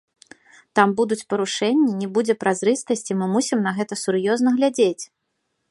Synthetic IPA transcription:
t̪ambud̪ut͡sʲpɐɾuʂɛnʲːinʲɛbud͡zʲɛpɾazɾɨst̪ɐsʲt͡sʲimɨmusʲimnɐɣɛt̪ɐsurjɔznɐɣlʲad͡zʲet͡sʲ

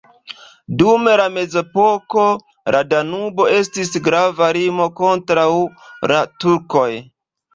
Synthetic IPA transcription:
dume̞lame̞ze̞po̞ko̞ | lʔadanubo̞e̞s̬tisɡɾavaɾimo̞ko̞ntɾawlatuɾko̞j

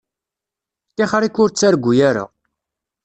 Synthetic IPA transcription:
t̪ːeχɾikːʊɾt͡sːaɾɡʷːujaɾa̰

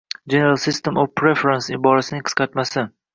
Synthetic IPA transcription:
d͡ʒe̞nealˠsist̪emofpɾe̞feɾansɪbɒɾasɪnɪŋqʰɨ̥qɑt̪masɪ

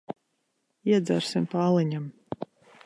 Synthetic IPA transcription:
iɛd̪zaɾsimpaːlˠɨɲam

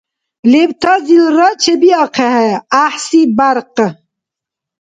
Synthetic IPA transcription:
leb̚t̪ʰazilɾat͡ʃʰebiaqʰeɦeaħsibaɾq

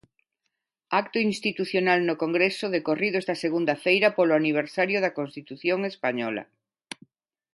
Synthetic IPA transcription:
akt̪ʊinst̪it̪uθjonalnʊkoŋɡɾesʊðekoriðʊest̪ɐseɣund̪ɐfejɾɐpolʊaniβ̞eɾsaɾjʊðɐkonst̪it̪uθjoŋespaɲɔlɐ̰

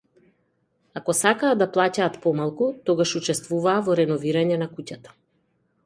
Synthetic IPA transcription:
akɔsakaːd̪aplˠacaːt̪pɔmalˠkut̪ɔɡaʃut͡ʃɛst̪vuvaːvɔɾɛnɔviɾaɲɛnakucat̪ḁ

